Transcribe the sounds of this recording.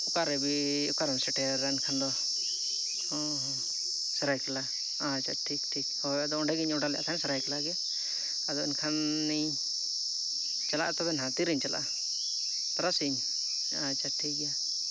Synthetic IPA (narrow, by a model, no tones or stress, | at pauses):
ʊkaɾɛbiukaɾɛnsɛʈɛɾankʰand̪ɔ | hɔ̃ | ɦɔ̃ | sɛɾajkɛla | at͡ʃʰaʈʰik̚ʈʰik̚hɔad̪ɔɔɳɖɛɡiɲɔɖalɛjʔa̰t̪ʰansɛɾajkɛlaɡɛ | ad̪ɔinkʰanː | i | t͡ʃala̰ʔt̪ɔbɛnɦãt̪iɾiɲt͡ʃala̰ʔ | t̪ɔɾasiɲ | at͡ʃʰaʈʰik̚ɡja